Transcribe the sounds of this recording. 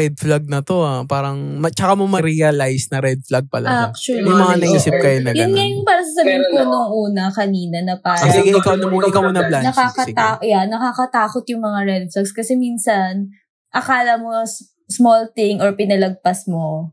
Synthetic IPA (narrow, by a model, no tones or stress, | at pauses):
ɛd̪̚flɐɡ̚nɐt̪o̞apaːɾɐŋmɐt͡ʃɐkamomɐɾiɐlajsnɐɾɛd̪̚flaɡ̚pɐ̰lɐ̰ak̚t͡ʃɐljʊmɐŋanɐʔiːsɪp̚kɐjonɐjɐnŋɐjʊŋpaːɾɐsɐsɐbɛnponoŋʔuːnɐkɐniːnɐnɐpaːɾɐsɪɡɪɪkawnɐmɪkawmonɐblanɐkakɐt̪aʔjanːɐkakɐt̪aːkot̪jʊŋmɐŋaɾɛd̪̚flaɡskɐsɛminsɐn | ʔɐkaːlɐmos | smolt̪ɪŋoɹpɪnɐlɐɡ̚pɐsmo